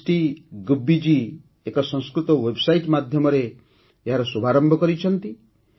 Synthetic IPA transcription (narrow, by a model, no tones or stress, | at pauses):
ʈiɡubːid͡ʒi | ekɔsɔ̃skɾut̪ɔwebsajʈmad̪ʱjɔmɔɾe | eɦaɾɔsubʱaɾɔmbʱɔkɔɾit͡ʃʰɔnt̪i